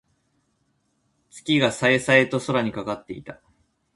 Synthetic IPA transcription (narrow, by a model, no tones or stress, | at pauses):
t͡sɨ̥kʲiɡasaesaet̪o̞so̞ɾaɲ̟ikakat̪ːe̞ḭt̪ḁ